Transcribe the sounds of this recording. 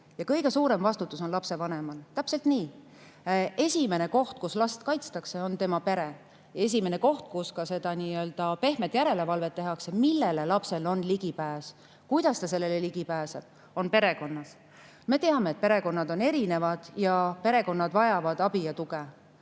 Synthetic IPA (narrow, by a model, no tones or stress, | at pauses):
jɑkɤjɡe̞suːɾe̞mvɑst̪ut̪ːˑusonlɑpse̞vɑne̞mɑlt̪æpselt̪niː | e̞sʲime̞ne̞ko̞ht̪̚kuslɑst̪kɑjt̪st̪ɑkse̞o̞nt̪e̞mɑpe̞ɾe | e̞s̬ʲimene̞ko̞ht̪̚kuskɑse̞d̪̥ɑniːø̞ld̪̥ɑpe̞hme̞t̪jæɾe̞le̞vɑlve̞t̪ːe̞ɦɑkse̞milːele̞lɑpse̞lo̞nliɡ̥ipæːs | kujd̪̥ɑst̪ɑse̞lːe̞leliɡ̥ipæːseb̥ | o̞npe̞ɾe̞ko̞nːɑs | me̞t̪e̞ɑme̞ːt̪̚pe̞ɾe̞ko̞nːɑd̪o̞ne̞ɾine̞vɑd̪̥jɑpe̞ɾe̞ko̞nːɑd̪vɑjɑvɑd̪̥ɑb̥ijɑt̪uɡ̥e